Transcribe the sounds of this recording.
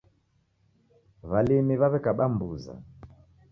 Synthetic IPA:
βalimiβaβɛkaɓambuza̰

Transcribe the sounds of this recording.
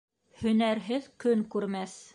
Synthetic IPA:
hɵ̆næɾɦɘðkɵŋkʉɾmæθ

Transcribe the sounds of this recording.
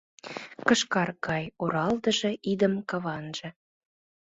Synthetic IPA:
kəʃkɑrkɑjoɾɑld̪ə̆ʒĕʔid̪əmkɑβɑnʒɤ̆

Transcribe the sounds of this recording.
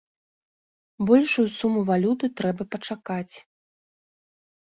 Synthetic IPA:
bɔlʲʂujusumuvalʲut̪ɨt̪ɾɛbɐpɐt͡ʂakat͡sʲ

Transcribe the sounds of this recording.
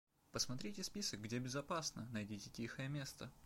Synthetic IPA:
pəsmɐt̪ɾʲitʲɪspʲisək̚ɡdʲebʲɪzɐpasnənɐjdʲitʲɪtʲixəjəmʲe̞st̪ə

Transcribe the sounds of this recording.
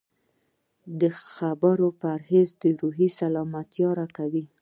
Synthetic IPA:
d̪əxabəɾopəaɾhezd̪əɾuɦisalɑmat̪jɑɾakawi

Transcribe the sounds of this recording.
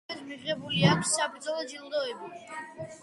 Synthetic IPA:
ɛd̪miʁɛbuliakʰssapʰd̪zɔlˠɔd͡ʒilˠd̪ɔɛbi

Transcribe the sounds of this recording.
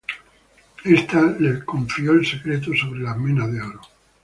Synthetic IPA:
est̪alekoɱfioelse̞kɾet̪̬oso̞βɾelamẽnaðeoɾo

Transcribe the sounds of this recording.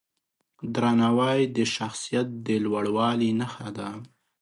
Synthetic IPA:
d̪ɾɑnawɑjd̪əʃaxsijat̪̚d̪əlwaɽwɑlinaxad̪a

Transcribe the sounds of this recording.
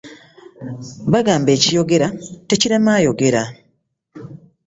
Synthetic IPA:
βaɡaːmbe̞ːcijo̞ɡe̞ɾate̞ciɾemaːjo̞ɡe̞ɾa

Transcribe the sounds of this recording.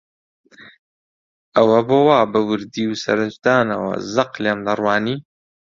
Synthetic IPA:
ʔɐwɐboːwaːbɐwɨɾd̪iːwsɐ̰ɾɨt͡ʃd̪aːnɐwɐ̰zɐqleːmd̪ɐrwaːniː

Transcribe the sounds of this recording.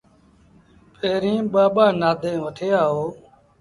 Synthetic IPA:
pʰeːɾĩːɓaːɓaːnaːd̪ʱẽːʋəʈʰeːaːɦoː

